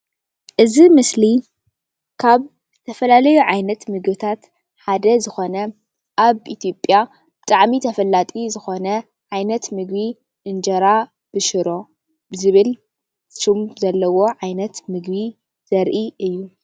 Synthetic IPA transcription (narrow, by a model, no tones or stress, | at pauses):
ʔɨzimɨsli | kʰaβ | zɨt̪ʰɐfɐlalɐjuʕajnɐt̪mɨɡbɨt̪ʰat̪ | ħad̪ɐzɨxo̞nɐ | ʔaβit̪ʰjopʼja | b̥ɨt̪ʼaʕmit̪ʰɐfɐlːat̪ʼizɨxo̞nɐ | ʕajnɐt̪mɨɡβi | ʔɨnd͡ʒɐɾa | b̥ɨʃɨɾo̞ | bɨzɨβɨl | ʃumzɐlːɐwo̞ʕajnɐt̪mɨɡbi | z̥ɐɾʔiʔɨjːu